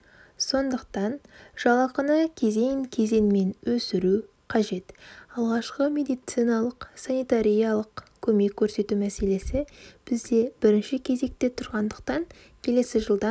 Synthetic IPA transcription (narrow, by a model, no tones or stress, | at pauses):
so̞nd̪əqt̪ɑnʒ̥ɑlˠɑqənəkʲʰe̞ze̞jɪŋkʲʰe̞ze̞nɪme̞nwɵsɪɾu | qʰɑʒe̞t̪ɑlˠʁɑʃqəmʲe̞d̪ijt̪sijnɑlˠəqsanijt̪aɾijɑlˠəqkʲʰɵme̞kʲʰːɵɾse̞t̪umæse̞le̞sɪb̥ɪzd̪e̞b̥ɪɾɪnʃɪkʲʰe̞ze̞k̚t̪e̞t̪ʰʊɾʁɑnd̪əq̚t̪ɑŋ | kʲʰe̞le̞sɪʒəlˠd̪ɑ